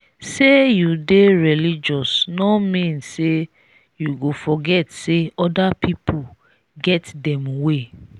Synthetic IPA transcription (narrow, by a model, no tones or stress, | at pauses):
sejudeɹilid͡ʒɔsnɔmĩnse | juɡofɔɡɛtseɔdapʰipʰo | ɡɛtdɛ̃mwe